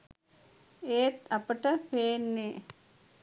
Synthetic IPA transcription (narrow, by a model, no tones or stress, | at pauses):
eːt̪ɐpəʈəpeːnːe